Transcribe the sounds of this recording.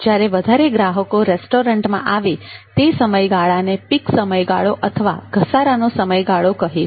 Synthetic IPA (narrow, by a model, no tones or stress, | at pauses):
d͡ʒjaɾeʋəd̪ʱaɾeɡɾaɦəkoɾesʈoɾəɳʈmã̰ʔaʋit̪esəməjɡaɭanepiksəməjɡaɭoʔət̪ʰəʋa̰ɡ̥ʱəsaɾanosəməjɡaɭokəɦi